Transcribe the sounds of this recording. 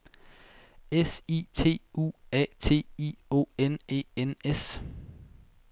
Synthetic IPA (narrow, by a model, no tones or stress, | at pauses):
esḭːt͡sʰe̝̰ːṵːɛ̰t͡sʰe̝̰ːḭo̝̰ːene̝̰ːenes